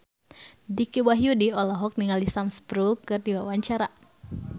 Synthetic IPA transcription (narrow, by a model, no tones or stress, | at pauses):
dikiwaɦjudiɔlɔɦɔk̚niŋalisamspɾulkɨrdiwawaɲt͡ʃaɾa